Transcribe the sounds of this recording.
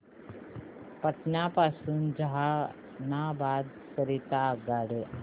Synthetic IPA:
pət̪njapasuːnd͡zəɦa | nabad̪ | səɾit̪aɡaɽe

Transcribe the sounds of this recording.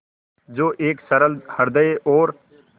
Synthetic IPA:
d͡ʒoːʔeːksɐɾəlhɐɾd̪əeʔɔːɾ

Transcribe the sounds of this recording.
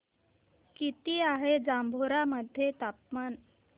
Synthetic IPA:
kit̪iːaɦed͡zambʱoɾaməd̪ʱjet̪apman

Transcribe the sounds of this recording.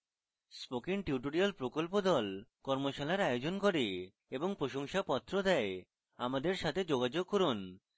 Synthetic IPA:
spokiŋʈiuʈoɾialpɾokolpod̪ɔlkɔɾmoʃalaɾajod͡ʑonkoɾe | eboŋpɾoʃoŋʃapɔt̪ːɾod̪ɛe | amad̪eɾʃat̪ʰed͡ʑoɡad͡ʑoɡ̚koɾun

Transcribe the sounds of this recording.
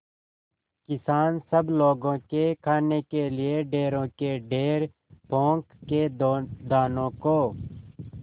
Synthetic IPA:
kɪsaːnsəbloːɡõːkekʰaːnekelɪeɖeːɾõːkeɖeːɾ | põːŋkːed̪aːnõːkoː

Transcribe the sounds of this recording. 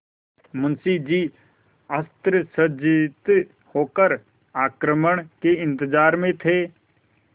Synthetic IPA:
mʊnsid͡ʒiː | əst̪ɾəsəd͡ʒɪt̪ | hoːkəɾ | aːkɾəməɳ̃keɪ̃nt̪ɪzaːɾmẽt̪ʰeː

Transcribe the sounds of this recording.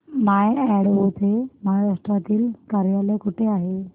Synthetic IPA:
maɛɽɦot̪ʰem̤aɾaʂʈɾat̪iːlkaɾjalekuʈʰeaɦe

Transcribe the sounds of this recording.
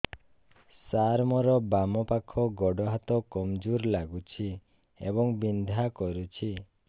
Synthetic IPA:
saɾmɔɾɔbamɔpakʰɔɡɔɖɔɦat̪ɔkɔmd͡ʒuɾlaɡut͡ʃʰi | ḛbɔŋbind̪ʱakɔɾut͡ʃʰi

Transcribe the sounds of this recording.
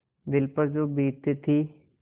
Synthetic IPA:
d̪ɪlpəɾd͡ʒoːbiːt̪et̪ʰiː

